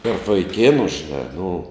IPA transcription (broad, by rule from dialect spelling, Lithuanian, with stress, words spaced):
tɐrp ʋɐɪˈkʲeːnʊ ʒʲɪˈnɑː nʊ